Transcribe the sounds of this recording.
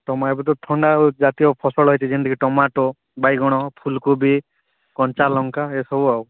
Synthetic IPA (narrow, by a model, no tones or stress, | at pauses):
ʈɔmaebɔt̪̬ɔt̪ʰɔɳɖad͡ʒat̪ijɔpʰɔsɔɭɦɔjt̪ʰid͡ʒend̪ikiʈɔmaʈɔ | bajɡɔɽ̃ɔpʰulkubi | kɔnt͡ʃalɔŋkaesɔbuaw